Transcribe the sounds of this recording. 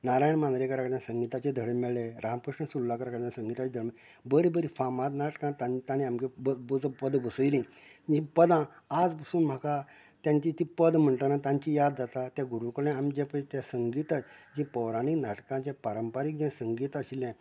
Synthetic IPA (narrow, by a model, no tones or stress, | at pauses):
naɾajɳmãnd̪ɾekəɾakəɾãsəŋɡit̪at͡ɕed̪ʱəɽemɛɭẽɾamkɾəʂəɳsulːakəɾakəɾãsə̃ŋɡit̪at͡ɕed̪ʱəɽm | bəɾibəɾifamat̪naʈkãt̪at̪añĩamkebəbəd͡zpəd̪bəsəjlĩd͡ʑĩpəd̪ãː | d͡zpəsuːnm̤aka | t̪jãɲt͡ɕit̪ĩpəd̪m̤əɳʈ̪anat̪ãɲt͡ɕĩjad̪d͡zat̪at̪jaɡuɾukəɭɛ̃amd͡ʑẽpət̪jasəŋɡit̪ad͡ʑĩpəwɾaɽ̃iknaʈkãt͡ɕãpaɾəmpaɾiːk̚d͡ʑɛ̃səŋɡit̪əɕilɛ̃